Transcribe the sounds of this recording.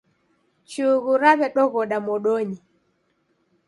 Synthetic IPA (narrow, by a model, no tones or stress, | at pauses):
t͡ʃuɣuɾaβɛɗɔɣɔɗamɔɗɔɲi